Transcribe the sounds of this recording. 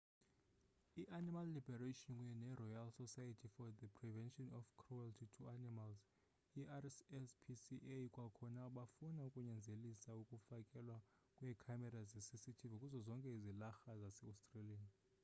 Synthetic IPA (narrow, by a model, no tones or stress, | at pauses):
iʔanimalːibɛɾatɔnkʼujɛnɛrɔjalsɔsajatʰifɔdəpʰrivɛnʃʼɔnɔfkʰrualtʰitʰuanimalz | iʔasɛspʰisiʔekʼwakʰɔnaɓafunaukʼuɲɛnd͡zʱelisaukʼufakʼɛlwa | kʼwɛkʰamɛɾazisisitʰivukʼuzɔzɔŋkʼɛizilaxazasɛastʼralian